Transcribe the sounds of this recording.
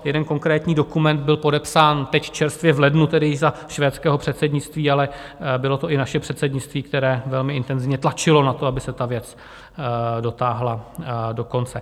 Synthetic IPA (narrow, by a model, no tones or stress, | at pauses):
jɛdɛnko̞ŋkɾɛːt̪ɲiːdo̞kumɛnd̪̚bɪlpo̞dɛpsaːnt̪ɛcft͡ʃɛɾst̪vjɛvlɛdnut̪ɛdɪjɪzaʃvɛːt̪t͡skɛːɦo̞pr̥ɛt̪sɛdɲɪt͡st̪viːalɛbɪlo̞t̪o̞ʔɪnaʃɛpr̝̥ɛt̪sɛdɲɪt͡st̪viːk̚t̪ɛɾɛːvɛlmɪʔɪnt̪ɛnzɪvɲɛt̪lat͡ʃɪlo̞nat̪o̞abɪsɛt̪avjɛt͡s | do̞t̪aːɦlado̞ko̞nt͡sɛ